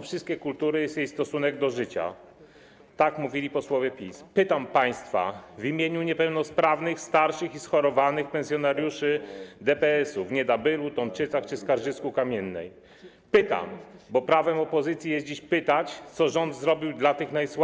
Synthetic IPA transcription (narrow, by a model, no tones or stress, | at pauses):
fʂɘst̪̚kʲɛkult̪uɾɘjɛsjejst̪ɔsunɛɡd̪ɔʐɘt͡ɕa̰ | t̪akmuvʲilʲipɔswɔvʲjɛpʲispɘt̪ampaj̃st̪fa̰vimʲjeɲuɲɛpɛwnɔspɾavnɘxst̪aɾʂɘxisxɔɾɔvanɘxpɛnsʲjɔnaɾʲjuʂɘd̪ɛpɛɛsuvɲɛd̪abɘɾut̪ɔmpt͡ʂɘt̪saxt͡ʂɘskaɾʐɘskukamʲjɛnːɛ̰j | pɘt̪a̰mbɔpɾavɛmɔpɔzɘt̪sʲjijɛsd͡ʑiɕpɘt̪at͡ɕt̪sɔʐɔnd̪zɾɔbʲiwd̪lat̪ɘxnajsw